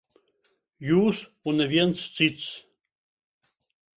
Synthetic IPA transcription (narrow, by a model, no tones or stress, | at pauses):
juːsunɛvjɛnt͡st͡sit͡s